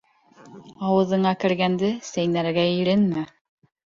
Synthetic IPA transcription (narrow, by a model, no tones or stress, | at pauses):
ɑwɤ̆ðɤ̆ɴɑkɘ̆ɾɡænd̪ɘsæjnæɾɡæiɾɘnmɘ